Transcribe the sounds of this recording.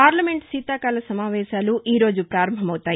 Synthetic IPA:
paːɾlɐme̞ɳʈsiːt̪aːkaːlɐsɐmaːʋɛːʃaːluʔiːɾo̞ːd͡ʒupɾaːɾɐmbʱɐmɐwut̪aːji

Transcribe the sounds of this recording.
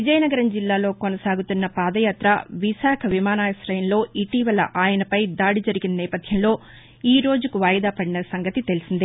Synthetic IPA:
ʋid͡ʒɐjnɐɡɐɾɐmd͡ʒilːaːlo̞ːkonɐsaːɡut̪unːɐpaːd̪ɐjaːt̪ɾɐʋiʃaːkʰɐʋimaːnaːjɐsɾɐjɐnlo̞ːiʈiːʋɐlɐ̰ʔaːjɐnɐpɐjd̪aːɽid͡ʒɐɾiɡinɐnɛːpɐd̪ʱjɐmlo̞ː | iːɾo̞ːd͡ʒukuʋaːjɐd̪aːpɐɽinɐsɐŋɡɐt̪it̪e̞lisind̪i

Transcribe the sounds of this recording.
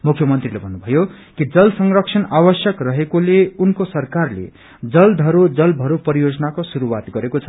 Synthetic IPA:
mukʰjʌmʌnt̪rilebʱʌnːubʱʌjo | kid͡zʌlsʌŋrʌksʰʌnabʌsjʌkrʌɦekoleunkosʌrkarlḛ | d͡zʌld̪ʱʌɾud͡zʌlbʱʌɾupʌɾijod͡zʌnakosuɾuwat̪ɡʌɾekot͡sʰʌ̥

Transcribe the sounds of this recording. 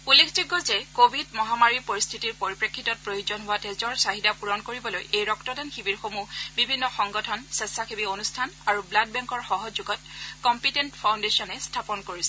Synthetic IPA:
ulːekʰziɡɔzɛkobʱidmɔɦamaɹipoɹist̪ʰitiɹpoɹipɹekʰːitɔt̚pɹojuzɔnɦʊwatezɔɹsaɦidapuɹɔnkoɹibɔlojʔejɹɔktɔdanxibiɹxomubibʱinːɔxɔŋɡɔtʰɔnsesaxibionustʰanaɹubladbɛŋkɔɹxɔɦɔzuɡɔt̚kɔmpitentpʰawndesɔnɛstʰapɔnkoɹisɛ

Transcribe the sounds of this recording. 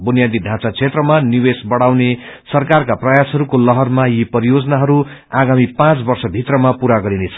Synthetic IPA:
bunjad̪id̪ʱãt͡sat͡sʰet̪rʌmaniwesbʌɽawnesʌrkarkaprʌjasɦʌɾukolʌɦʌrmajipʌɾijod͡zʌnaɦʌɾuaɡamipãt͡sbʌrsʌbʱit̪rʌmapuɾaɡʌɾinet͡sʰʌ

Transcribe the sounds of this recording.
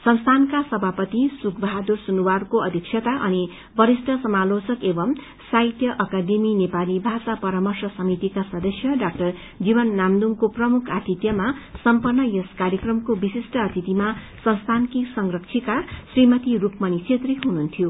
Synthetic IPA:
sʌnst̪ʰankasʌbʱapʌt̪isukʰbʱʌɦad̪ursunuwarkoʌd̪ʱik̚sʰjet̪aʔʌni | bʌɾisʈʰʌsʌmalot͡sʌkebʌm | sajt̪jʌʔʌkad̪eminepalibʱasapʌɾamʌrsʌsʌmit̪ikasʌd̪ʌsjʌɖak̚ʈʌr | d͡zibʌnːamd̪uŋkoprʌmukʰat̪it̪jʌmasʌmpʌrnːʌjeskaɾjekrʌmkobisisʈʌːt̪it̪ima | sʌnst̪ʰankisʌŋrʌksʰikasrimʌt̪iɾukmʌnit͡sʰet̪riɦununt̪ʰjo

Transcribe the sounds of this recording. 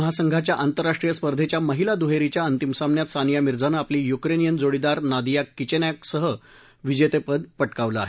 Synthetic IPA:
əɦasəŋɡʱat͡ɕjaʔant̪əɾːaʂʈɾijəspəɾd̪ʱet͡ɕjaməɦilad̪uɦeɾit͡ɕjaənt̪imsamnjat̪sanijamiɾd͡zanaapliːjukɾenijənd͡zoɽid̪aɾnad̪ijakːit͡ɕenaksəɦə | ʋid͡ʑet̪epəd̪pəʈkaʋləaɦe

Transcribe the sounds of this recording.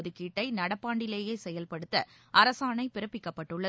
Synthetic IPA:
ðɯkːiːʈːɐɪnɐɽɐpːaːɳɖɪleːjɐɪsɛjɐlpɐɽɯt̪ːɐʔɐɾɐsaːnɐɪpɪɾɐpːɪkːɐpːɐʈːɯɭːɐ

